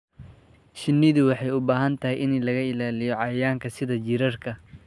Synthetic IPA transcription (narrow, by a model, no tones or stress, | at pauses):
ʃɪnːɪðʊwɑħɑjʊbaːɦɐnt̪ʰɐɦɛjʔɪnlɐɣɐɪlaːlɪjɔʕɑjaːŋkʰɐsɪðɐt͡ʃɪɾɐrkʰɐ